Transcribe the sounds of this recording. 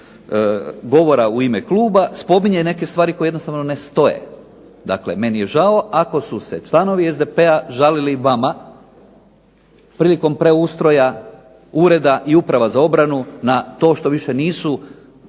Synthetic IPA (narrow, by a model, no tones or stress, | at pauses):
ɡo̞ʋo̞ɾauimekluːbaspo̞miɲene̞ke̞st̪ʋaːɾiko̞jeednost̪aʋnone̞st̪o̞jḛ | d̪a̰kle̞̰me̞nije̞ʒao̞ʔako̞suse̞t͡ʃlˠano̞ʋiezd̪e̞peaʒaliliʋama | pɾiːliko̞mpɾe̞ust̪ɾo̞ja | uːɾe̞d̪aʔiupɾaʋazao̞bɾanunat̪o̞ːʃt̪o̞ʋiʃeniːsu